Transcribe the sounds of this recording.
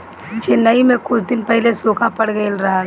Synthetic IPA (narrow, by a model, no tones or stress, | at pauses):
t͡ʃɪnːəimẽkʊt͡ʃʰd̪ɪnpɛɦlesoːkʰãpɐɽɡəɪlɾɐɦa